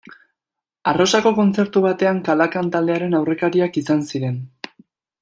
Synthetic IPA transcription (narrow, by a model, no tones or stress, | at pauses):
aro̞sako̞ko̞nt͡se̞ɾt̪uβ̞at̪e̞aŋkalakant̪ald̪e̞aɾe̞nawre̞kaɾiakisansiɾe̞n